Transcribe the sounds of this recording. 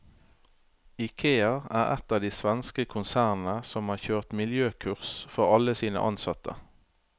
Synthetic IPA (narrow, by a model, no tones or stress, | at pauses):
ɪkʰeːɑʁæ̰ːʁɛ̰t̪ɑːʋd̪iːsʋɛnskəkʰʊnsæːʁn̩əsɔmhɑːçøːʁt̪mɪljøːkʰʉʁsfɔʁɑləsiːnə̰ʔɑnsɑt̪ʰə̰